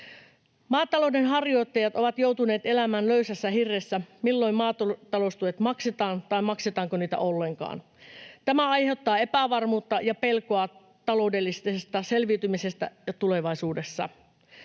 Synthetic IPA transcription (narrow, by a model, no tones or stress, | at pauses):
mɑːt̪ːɑloudenɦɑrjo̞ijt̪ːɑjɑt̪o̞ʋɑt̪jo̞wt̪uneːt̪e̞læmæːnløysæsːæhirːesːæmilːo̞immɑːt̪ot̪ːɑloust̪uet̪mɑkset̪ɑːnt̪ɑimɑkset̪ɑːŋkoniːt̪æ̰ʔolːeŋkɑ̰ːn | t̪æmæɑjhe̞wt̪ːɑːe̞pæʋɑrmuːt̪ːɑjɑpelkoɑ | t̪ɑloude̞lːist̪eest̪ɑselʋiːt̪ymisest̪æ̰jɑt̪ule̞ʋɑisuːdesːɑ̰